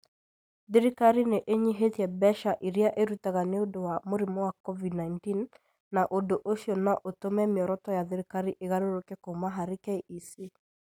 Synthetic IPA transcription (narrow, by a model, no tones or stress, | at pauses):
ðiɾikaɾineʔeɲiɦetiɛbɛʃaʔiɾiaʔeɾutaɣaneodowamoɾimɔwakɔvidnaintinː | aʔodoʔoʃjɔnaʔotomɛmeɔɾɔtɔjaðiɾikaɾiʔeɣaɾoɾokɛkomaɦaɾikɛiʔisi